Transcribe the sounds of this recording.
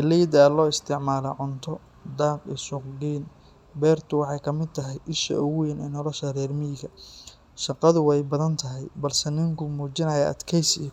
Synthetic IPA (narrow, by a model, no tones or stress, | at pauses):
ɪlijd̪aːlɔːɪst̪ʰɪʕmaːlɔ̰ʕʊnt̪ʰɔ | d̪aːqḭsʊqɡiːn | bɛːrt̪ʰʊwɑħɑjkʰɐmɪd̪̚t̪ʰɐɦɛjʔɪʃɐ̰ʔɔɣnɛːnɔlɔʃɐrɛːrmɪɪɡɐ | ʃɑqɑðʊwɛjbɐðɐnt̪ʰɐɦɛjbɐlsɛnɪŋkʰʊmuːt͡ʃɪnɐjɐɐ̰d̪kʰɛjsi